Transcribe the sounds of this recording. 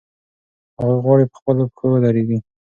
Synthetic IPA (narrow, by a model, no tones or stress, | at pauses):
haɣaɣwɑɽipə̥xpəloxəwəlaɾeɡi